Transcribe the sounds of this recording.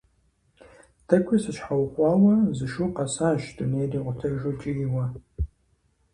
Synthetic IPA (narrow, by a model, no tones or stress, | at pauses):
tʰɐkʷʰʊsɨɕħawχʷɑːwɐzɨʃuqɐsaːʃduneːjriːʁʷʊtʰɐʒot͡ʃʼɪjɪwɐ